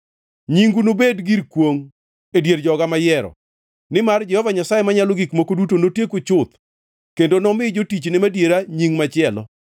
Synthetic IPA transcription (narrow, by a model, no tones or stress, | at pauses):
ɲiŋɡunobedɡiɾkwoŋ | edjeɾd͡ʒɔɡamajɛɾɔ̰ | nɪmard͡ʒɛhɔvaɲasajemaɲaloɡikmokodutonotjekʊt͡ʃʊt̪̚ | kendonɔmɪd͡ʒotit͡ʃnɪmadjeɾaɲiŋmat͡ʃɪɛlɔ̰